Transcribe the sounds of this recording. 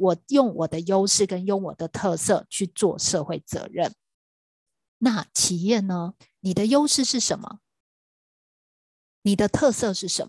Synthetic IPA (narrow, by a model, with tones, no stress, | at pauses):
wɔ˨˩jʊ˥˩ŋwɔ˨˩d̪ə˦jo˥ʊʂɻ̩˥˩kə˦njʊ˥˩ŋwɔ˨˩d̪ə˦t̪ʰɤ˥˧sɤ˥˧t͡ɕʰy˥˧t͡swɔ˥˧ʂɤ˥˧xwe˥˩ɪt͡sɤ̰˧˥ɻə˥˩n | na˥˩t͡ɕʰi˨˩jɛ˥˩nə˦ | ni˨˩d̪ə˦jo˥ʊʂɻ̩˥˧ʂɻ̩˥˩ʂə˨˩˦nmə̰˦ | ni˨˩d̪ə˦t̪ʰɤ˥˧sɤ˥˧ʂɻ̩˥˩ʂə˨˦